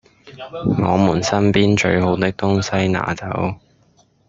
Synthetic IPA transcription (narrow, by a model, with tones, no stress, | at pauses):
ŋɔ̰ː˨˧muː˨˩nsɐ˥npiː˥nt͡ʃɵ˧ɥɦo˨˥wt̪ɪ˥k̚t̪ʊ˥ŋsɐ˥jna̰ː˨˩t͡sɐ˨˥w